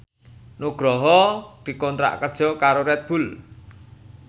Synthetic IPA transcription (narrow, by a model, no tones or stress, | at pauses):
noɡ̥ɾɔɦɔd̪̥i̤kɔnt̪ɾa̰ʔkərd̥ʒ̥ɔ̤kaɾoɾɛt̪̚b̥ṳl